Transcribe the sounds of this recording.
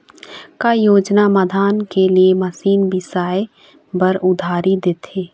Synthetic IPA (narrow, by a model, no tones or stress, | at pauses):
kajoːd͡ʒnaməd̪ʱaːnkeliemɐsiːnbɪsaːe | bəɾʊd̪ʱaːɾid̪eːt̪ʰeː